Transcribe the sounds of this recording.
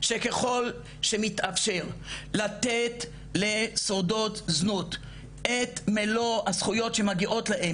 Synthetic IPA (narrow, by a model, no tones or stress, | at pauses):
ʃe̞keχo̞l | ʃe̞mit̪ʔafʃeʁlat̪et̪ | lesodo̞tznut̪ | ʔet̪meloasχujo̞tʃe̞maɡiʔo̞t̪laʔem